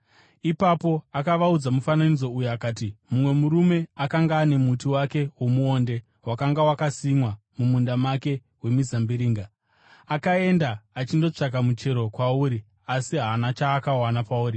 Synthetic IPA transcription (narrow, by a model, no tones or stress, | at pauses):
ipapo̞akaʋaud͡zamufananid͡zo̞ujoakaːtimumwe̞muɾume̞akaŋɡaːne̞mutiwake̞womuo̞ːnde̞ | wakaŋɡawakasimwa | mumundamake̞ | we̞mizambiɾiːŋɡa | akae̞ndaːt͡ʃindo̞t͡ʂak̬amut͡ʃe̞ɾo̞kwauːɾi | asiɦaːnat͡ʃaːkawanapauːɾi